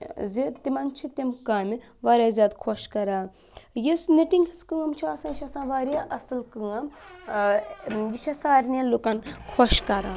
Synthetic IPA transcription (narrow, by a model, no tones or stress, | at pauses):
zit̪imɐnt͡ʃʰit̪imkaːmi | ʋaːɾʲaːzʲjaːd̪kʰoʃkɐɾaː | jisniʈiŋɡhɐskɨŋɐmt͡ʃʰiasãːt͡ʃʰʲɐsãːʋaːɾʲjaʔɐsɨlkɨŋɐm | jit͡ʃʰɐsaːɾʲnɐlokankʰoʃkɐɾãː